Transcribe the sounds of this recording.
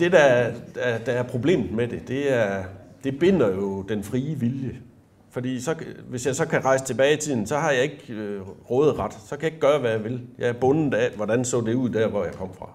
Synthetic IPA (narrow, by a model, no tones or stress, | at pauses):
d̥e̝dæd̥æd̥æːɐpʰʁo̝b̥le̝̰ːm̩med̥e̝d̥e̝æɐd̥e̝b̥e̝n̰ɐjo̝d̥enfʁiːəʋiljə | fɒ̽d̥ḭːsɒ̽ʋe̝sjɑ̈ɪsɒ̽kʰæʁɑ̈ɪsət͡sʰe̝b̥ɛːɪit͡sʰið̰ˠn̩sɒ̽hɑ̈jɑ̈ɪe̝ɡ̥ʁɔːð̩ˠʁɑ̈d̥sɒkʰæjɑe̝ɡ̥̚ɡ̥ɶːɐʋæjɑʋe̝ljɑ̈æɐb̥ɔ̽nð̩ˠæʋɒd̥ænsɔ̰̽ːd̥e̝uð̰ˠd̥æɐʋɒjɑ̈ɪkʰɒ̽m̰fʁɑ̈